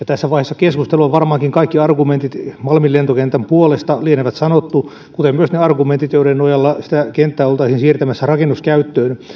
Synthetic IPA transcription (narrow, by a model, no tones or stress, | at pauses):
jɑt̪æsːæʋɑihesːɑkeskust̪eluɑʋʋɑrmɑːŋkiŋkɑikːiɑrɡument̪it̪mɑlmilent̪okent̪æmpuolest̪ɑlieneʋæt̪sɑnot̪ːu | kut̪emmyøsneɑrɡument̪it̪joiɾennojɑlːɑsi̥t̪ækent̪ːæːolt̪ɑisinsiːrt̪æmæsːærɑkenːuskæyt̪ːøːn